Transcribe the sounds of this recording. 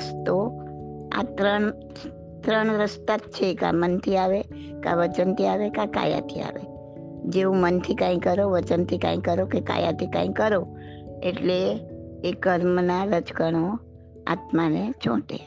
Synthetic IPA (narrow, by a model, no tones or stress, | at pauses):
st̪o | a̰t̪ɾəɳ | t̪ɾəɳɾəst̪at̪̚t͡ʃʰeka̰mənt̪ʰiaʋe | ka̰ʋət͡ʃənt̪ʰiaʋekãka̰ja̰t̪ʰia̰ʋe | d͡ʒeʋũmənt̪ʰikãĩkəɾoʋət͡ʃənt̪ʰikã̰ĩkəɾokeka̰ja̰t̪ʰikã̰ĩkəɾo | eʈleː | kəɾmnaɾəd͡ʒkəɳ̃o | a̰t̪manet͡ʃʰõ̰ʈḛ